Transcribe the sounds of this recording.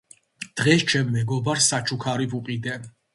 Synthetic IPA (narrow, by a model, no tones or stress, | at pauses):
d̪̥ʁɛst͡ʃʰɛmːɛɡɔbaɾsat͡ʃʰukʰaɾibuqʼid̪ɛ